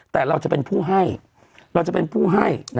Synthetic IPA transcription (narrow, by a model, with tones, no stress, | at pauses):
t̪ɛː˨˩ɾa˧wt͡ɕa˨˩ʔpe˧npʰuː˥˩ɦa˥˩j | ɾa˧wt͡ɕa˨˩pe˧npʰuː˥˩ɦa˥˩jn